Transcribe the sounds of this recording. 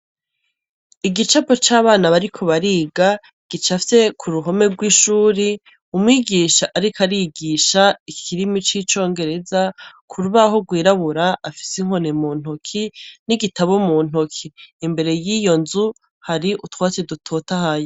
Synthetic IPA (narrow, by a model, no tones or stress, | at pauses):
iɡit͡ʃapot͡ʃaːβaːnaβaɾikʰo̞βaɾiːɡa | ɡ̥it͡ʃafise̞kʰuɾuɦo̞me̞ɡwiːʃuːɾi | umwiːɡiːʃaʔaɾikaɾiɡiʃaikʰiɾimit͡ʃit͡ʃo̞ːŋɡe̞ɾe̞zakʰuɾuβaho̞ɡwiːɾaβuɾaʔːfi̥siŋ̥honemuːn̥hokʰiniɡitaβomuːn̥hokʰiːmbe̞ɾe̞jijo̞nzu | haɾiʔutwaːt͡sedutʰo̞ːtahajo